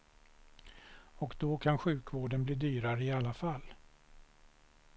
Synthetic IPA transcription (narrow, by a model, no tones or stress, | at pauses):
ɔkd̪̥ɔkʰanɧʉ̟ːkvoːɖənbliːd̪yːɾaɾəɪalːafalː